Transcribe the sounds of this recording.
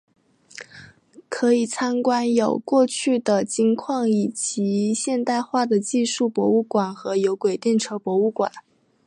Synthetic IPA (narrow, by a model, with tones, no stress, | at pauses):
kʰɤ˧˥i˨˩t͡sʰa˥nkwa˥njo˨˩ʊkwɔ˥˧t͡ɕʰy˥˩d̪ə˩t͡ɕi˥ŋkʰwɑ˥˩ŋi˨˩t͡ɕi˧˥ɕjɛ˥˧nt̪a˥˧ɪxwa˥˩d̪ə˩t͡ɕi˥˧ʂu˥˩pwɔ˧˥u˥˩kwa˨˩nxɤ˧˥jo˧˥ʊkwe˨˩ɪt̪jɛ˥˩nʈ͡ʂʰɤ˧˥pwɔ˧˥u˥˩kwa̰˨˩˦n